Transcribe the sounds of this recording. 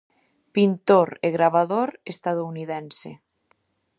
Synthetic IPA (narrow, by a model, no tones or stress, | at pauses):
pint̪oɾeɣɾaβaðoɾest̪að̞ouniðɛnsḛ